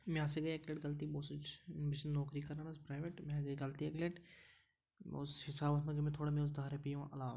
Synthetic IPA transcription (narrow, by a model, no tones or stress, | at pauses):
mɛ̃ɐseɡɐiekleʈɡɐlt̪iboːsʊt͡ʃbɪt͡ʃnɔːkɾikɐɾaːnaspɾaːɪʋeːʈmɛ̃ɡɐiɡɐlt̪ieːkleʈ | shɪsaːbɐt̪mɐ̃ɡemẽt̪ʰoːɽamẽʊs̬d̪ʱaːɾepiːõʔɐlaːʋ